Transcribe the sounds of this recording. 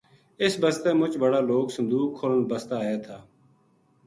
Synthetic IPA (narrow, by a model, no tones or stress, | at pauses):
ɪsbəst̪eːmʊt͡ʃbəɽaːloːksənd̪uːkkʰːoːlənbəst̪aːɦeːt̪ʰaː